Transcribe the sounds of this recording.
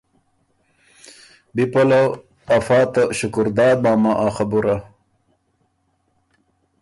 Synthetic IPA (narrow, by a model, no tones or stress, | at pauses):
bipolɐ | ɐfaːt̪ɐɕukuɾd̪aːd̪̚maːmaʔaxɐbuɾa